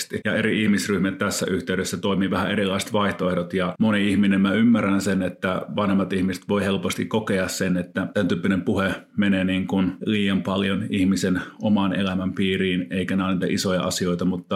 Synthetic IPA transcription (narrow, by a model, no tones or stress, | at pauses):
st̪ijɑeɾiihmisryhmæt̪t̪æsːæ̰ʔyht̪eyɾesːæt̪oimiːʋæhæeɾilːˑɑist̪ʋɑiht̪oehdot̪jɑmoniihminemmæymːærænsenet̪ːæʋɑnhemːɑt̪ihmise̥t̪ʋoihelpost̪ikkokeɑssenet̪ːæt̪ænt̪yːpːinempuhemeneniːŋkunliːjɑmpɑljonihmisenʔomɑnḛlæmæmpiːriːneikænæˑːniːt̪æ̰ʔisojɑ̰ʔɑ̰sioit̪ɑmut̪ːɑ